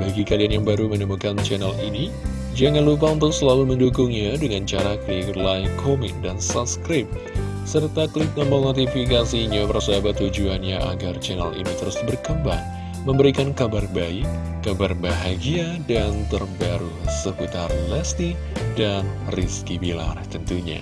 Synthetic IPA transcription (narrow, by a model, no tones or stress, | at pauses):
baɡikalianjaŋbaɾumənəmukant͡ʃɛnalini | d͡ʒaŋanlup̬aunt̪ʊsəlaluməndukʊŋɲadəŋant͡ʃaɾaklilaikʰomɪk̚dansat̪skɾɪp̚ | sərt̪aklɪt̪̚məməŋat̪̬ifikasiɲapərsəabat̪ːud͡ʒuanɲaʔaɡart͡ʃɛna̰lʔḭnit̪əɾʊsbərkəmbaŋ | məmbəɾikankabarbaɪkː | abarbaɦaɡiadant̪ərbaɾusəput̪arlɛst̪i | danriskibila̰rt̪ənt̪uɲa̰